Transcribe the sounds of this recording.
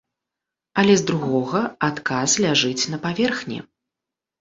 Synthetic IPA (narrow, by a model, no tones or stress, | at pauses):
ɐlʲɛzd̪ɾuɣɔɣɐat̪kaslʲaʐɨt͡sʲnɐpavʲɛrxnʲḭ